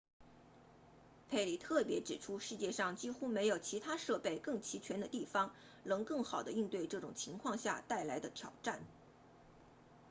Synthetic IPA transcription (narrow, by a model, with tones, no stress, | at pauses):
pʰe˥˩ɪli˨˩t̪ʰɤ˥˩pjɛ˧˥ʈ͡ʂɻ̩˨˩ʈ͡ʂʰu˥ʂɻ̩˥˧t͡ɕjɛ˥˧ʂɑ˥˩ŋt͡ɕi˥xu˥me˧˥ɪjo˨˩ʊt͡ɕʰi˧˥t̪ʰa˥ʂɤ˥˧pe˥˧ɪkɤ˥˩ŋt͡ɕʰi˧˥t͡ɕʰɥɛ˧˥nd̪ə˧t̪i˥˩fɑ˥ŋ | nɤ˧˥ŋkɤ˥˩ŋxɑ˨˩ʊd̪ə̰˦i˥˧ŋt̪we˥˧ɪʈ͡ʂɤ˥˩ʈ͡ʂʊ̰˨˩ŋt͡ɕʰi˧˥ŋkʰwɑ˥˧ŋɕja̰˥˧t̪a˥˩ɪla˧˥ɪd̪ə˧t̪ʰjɑ˨˩ʊʈ͡ʂa˥˩n